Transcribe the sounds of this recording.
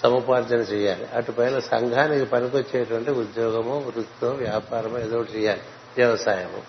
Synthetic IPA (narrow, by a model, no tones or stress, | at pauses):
sɐmɐpaːɾd͡ʒɐnɐt͡ʃɛːjaːliɐʈupɐjnɐsɐŋɡʱaːnikipɐnikot͡ʃːɛːʈɐʋɐɳʈiud̪jɔːɡɐmuʋɾut̪ːoʋjaːpaːɾɐmed̪oːɽt͡ʃɛːjaːli | ʋjɛʋɐsaːjɐmṵ